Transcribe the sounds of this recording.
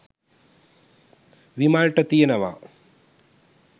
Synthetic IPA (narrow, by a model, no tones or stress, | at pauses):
ʋimaːlʈɐt̪ijɐnɐʋa̰ː